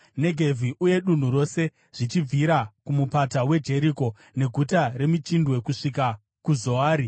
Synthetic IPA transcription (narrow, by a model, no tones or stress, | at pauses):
ne̞ɡʱe̞vʱiʔuje̞ɗun̤uɾo̞se̞ | ʐ̥it͡ʃib͡viɾakumupatawe̞d͡ʒe̞ɾiko̞ | ne̞ɡʱutaɾe̞mit͡ʃindwe̞kuʂika | kuzo̞aːɾi